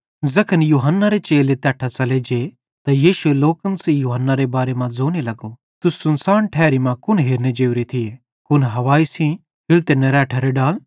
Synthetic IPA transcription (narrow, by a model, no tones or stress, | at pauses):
zɐkʰənjuːɦənːaɾet͡ʃeːlet̪ɛːʈʰat͡sɐled͡ʒe | t̪ajiːʃʊeloːkənsejuːɦənːaɾebaːɾemãd͡zoːnelɐɡo | t̪ʊsʊnsaːɳʈʰɛːɾimãkʊnɦeːɾned͡ʒeːwɾit̪ʰɪe | kʊnɦɐʋaːisĩ | pʰɪlt̪eneɾɛːʈʰaɾeɖaːl